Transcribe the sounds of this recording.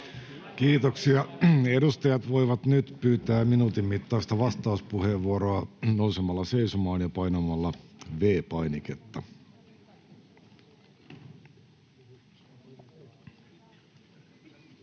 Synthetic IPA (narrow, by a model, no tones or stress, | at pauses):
kiːt̪oksiɑedust̪ɑjɑt̪ʋo̞iʋɑt̪nyt̪pyːt̪æːminuːt̪imːit̪ːɑist̪ɑʋɑst̪ɑuspuheʋʋuoɾoɑnousemɑlːɑse̞isomɑːnjɑpɑjnomɑlːɑʋeːpɑjniket̪ːɑ